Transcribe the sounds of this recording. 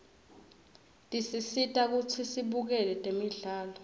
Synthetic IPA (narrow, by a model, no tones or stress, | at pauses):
tʼisisitʼak̬ut͡sʰisiɓuk̬ɛlɛtʼemiɮaːlɔ